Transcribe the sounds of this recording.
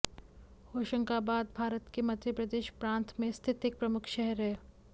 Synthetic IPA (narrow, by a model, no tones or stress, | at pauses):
hoːʃə̃ŋkaːbaːd̪̚bʱaːɾət̪kemɐ̃nt̪ɾipɾəd̪eːʃpɾãːnt̪ʰmẽst̪ʰɪt̪ɪk̚pɾɐmʊkʰʃɛɦɛɾɦɛː